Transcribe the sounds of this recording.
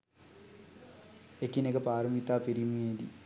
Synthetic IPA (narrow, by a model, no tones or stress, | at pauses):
ekːinekɐpaːɾɐmit̪ːaːpeɾimeːd̪i